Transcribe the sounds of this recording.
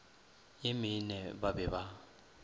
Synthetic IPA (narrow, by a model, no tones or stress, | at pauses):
jɪmɪnɛbabɛβa